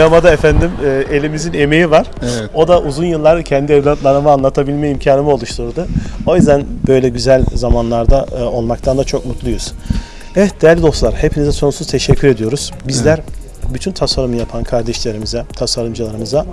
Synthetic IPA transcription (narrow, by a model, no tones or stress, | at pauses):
amad̪aefænd̪imːe̞lʲimizine̞me̞jivaɾ̥o̞d̪aʔuzunjɯlˠːaɾcʰɛnd̪iɛvlʲat̪lˠaɾɯmɯaːnlˠat̪ʰabilʲmɛimcʰaːnɯmio̞lˠuʃt̪ʰuɾd̪uo̞jyzd̪ænbø̞jlʲɛɟyzælʲzamanlˠaɾd̪ao̞lˠmak̚t̪ʰand̪at͡ʃʰo̞kmut̪lˠujuz̥ | evɛt̪̚d̪ejæɾlʲid̪o̞st̪lˠaɾhe̞pʰinizɛso̞nusuzt̪ʰeʃɛcʰːyɾe̞d̪ijo̞ɾuz̥bizlʲæɾ | byt̪ʰynt̪ʰasaɾumɯjapʰankʰaɾd̪ɛʃlʲe̞ɾimizɛt̪ʰasaɾɯmd͡ʒɯlˠaɾɯmɯza